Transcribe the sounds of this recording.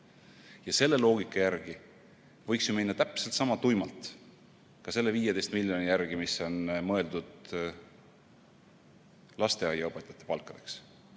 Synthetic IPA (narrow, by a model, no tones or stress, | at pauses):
jɑse̞lːe̞lo̞ːɡ̥ikːˑɑjærɡ̥i | vɤ̞jksjuminːɑt̪æpse̞lt̪sɑmɑt̪ujmɑlt̪ˑ | kɑse̞lːe̞viːje̥e̞jst̪̚milʲjo̞nijæɾɡ̥imiso̞nmɤe̞ld̪̥ud̪̥ | lɑst̪e̞ɑjɑɤpˑet̪ːˑɑt̪ːˑe̞pɑlkːˑɑd̪̥e̞̥ks